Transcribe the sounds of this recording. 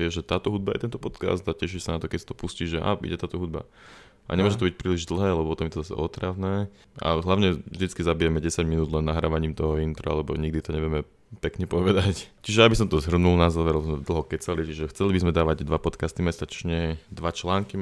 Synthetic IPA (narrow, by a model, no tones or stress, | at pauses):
ɛʒɛt̪aːt̪ɔɦud̪̚bajɛ̰t̪ɛnt̪ɔpɔt̪ka̰sd̪acɛʃ̬isanat̪ɔkɛcsḁt̪ɔ̥pusciːʒɛʔa̰ːḭɟɛt̪aːt̪ɔɦud̪̚ba̰ | ʔa̰ɲɛmʊɔʒɛt̪ɔbic̚pɾiːliʒd̪l̩ˠɦɛːlɛbɔpɔt̪ɔmjɛt̪ɔzasɛ̰ʔɔt̪ɾaʋnɛː | a̰ɦlaʊɲɛvʒd̪it͡skizabijɛmɛɟɛsaɟminuːd̪lɛnːaɦɾa̰ːʋaɲiːmt̪ɔɦɔint̪ɾɔ̰a̰lɛbɔ̰ɲiɡ̚d̪it̪ɔɲɛʋɪjɛmɛ | pɛkɲɛpɔʋɛd̪act͡ʃiʒɛabis̬ɔmt̪ɔzɦr̩nulnazaːʋɛɾɛbzmɛd̪l̩ˠɦɔkɛt͡salit͡ʃiʒɛxt͡sɛlibizmɛd̪aːʋaɟd̪ʋapɔt̪kast̪imɛst̪at͡ʃɲɛd̪ʋat͡ʃlaːŋki